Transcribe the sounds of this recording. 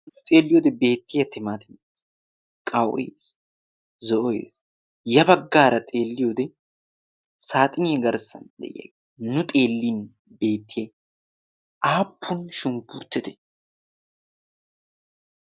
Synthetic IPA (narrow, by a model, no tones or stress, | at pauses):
nʊt̪ʼe̞ːlːɪjoːd̪ɛbe̞ːt̪ːɪjɐt̪ɪmaːt̪ʰɪn | kʼɐwɔ̰jḛs | zɔʔɔjḛːs | jɐbɐɡːaːɾɐt̪ʼe̞ːlːɪjod̪ɛ | saːt̪ʼɪnɪjɛɡɐɾsɐ̰nd̪ɛ̰j̰ɐ̰ɡ | nʊt̪ʼe̞ːlːiːn | be̞ːt̪ːɪje | ʔaːpʰːʊnʃʊmpʊɾt̪ːɛt̪ɛ̥